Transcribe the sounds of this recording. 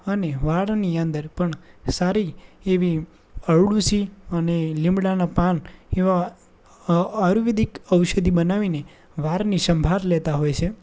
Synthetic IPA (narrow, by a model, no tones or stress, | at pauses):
əneʋaɽniənd̪əɾpəɳsaɾieʋi | əɭɽusiənelɪ̃mbɽanapaneʋa | ɾuʋid̪ikəwʃəd̪ʱibənaʋine | ʋaɾniʃəmbʱaɾlet̪aɦojt͡ʃʰe